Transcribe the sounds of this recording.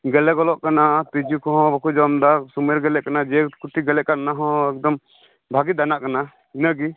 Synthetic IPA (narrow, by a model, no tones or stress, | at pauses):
ɡɛlɛɡɔlɔʔkanat̪id͡ʒukɔɦɔ̃bɔkud͡ʒɔmd̪asumɛɾɡɛlɛʔkanad͡ʒɛkuʈiɡɛlɛʔkanaɦɔ̃ɛk̚d̪ɔm | bʱaɡid̪anaʔkana | inaɡi